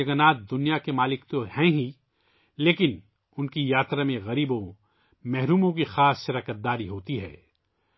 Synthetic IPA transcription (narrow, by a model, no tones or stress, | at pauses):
ɐɡənaːt̪̚d̪ʊnijakemaːlɪkt̪ohɛ̃ɦĩ | leːkɪn | ʊnkijaːt̪ɾamẽɣɐɾiːbõ | mɛɦɾuːmõkixaːsʃɐɾɐkət̪̚d̪aːɾiɦoːt̪iɦɛ̰ː